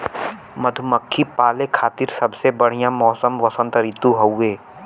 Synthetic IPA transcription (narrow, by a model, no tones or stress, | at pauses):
məd̪ʱʊməkʰːipaːlekʰaːt̪iːɾsɐbsebəɽ̤ijãmɔːsəmʋɐsə̃nt̪əɾit̪uɦɐweː